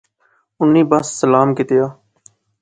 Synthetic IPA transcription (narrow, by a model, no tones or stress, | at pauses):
ʊnːĩːbəsːəlaːmkɪt̪ɪjaː